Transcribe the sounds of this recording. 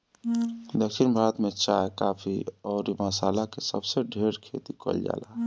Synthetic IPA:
d̪əkʰʃinbʱaɾət̪met͡ʃaekapʰiɔːɾimasaːlakesəbseɖʱeɾkʰḛt̪ikə̰ld͡ʒa̰ːla

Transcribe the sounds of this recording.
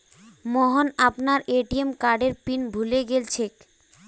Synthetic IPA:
mɔɦonapnaɾeʈiemkaɾɖeɾpinbʱuleɡelt͡ɕʰek̚

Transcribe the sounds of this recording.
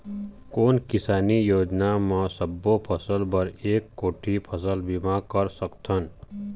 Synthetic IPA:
koːnkɪsaːnijoːd͡ʒnamasʌbːopʰʌsəlbʌɾeːkːoːʈʰipʰʌsəlbimakʌɾsʌkt̪ʰʌn

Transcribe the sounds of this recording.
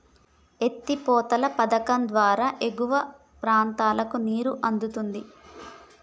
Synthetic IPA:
e̞t̪ːipɔːt̪ɐlɐpɐd̪ɐkɐmd̪ʋaːɾaːʔeɡuʋɐ | pɾaːnt̪aːlɐkuniːɾuʔɐnd̪ut̪und̪i

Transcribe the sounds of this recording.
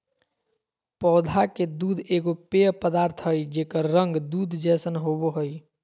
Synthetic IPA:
pɔːd̪ʱaked̪uːd̪ʱeɡopeəpəd̪aːɾt̪ʰɦəjd͡ʒekəɾːəŋɡd̪uːd̪ʱd͡ʒɛːsənɦoboɦəj

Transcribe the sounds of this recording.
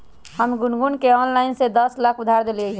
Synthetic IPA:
həmɡʊnɡunkeɔːnlaɪnsed̪əslakʰʊd̪ʱaɾd̪elɡəi

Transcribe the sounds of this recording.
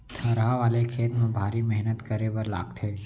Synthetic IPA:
t̪ʰɐɾɦaʋaːlekʰeːt̪mẽbʱaːɾimɛɦnət̪kɐɾeʋəɾla̰ːɡt̪ʰeː

